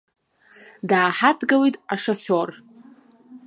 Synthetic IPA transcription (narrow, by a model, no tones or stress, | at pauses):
daːħatʰɡawitʼaʂaχʲor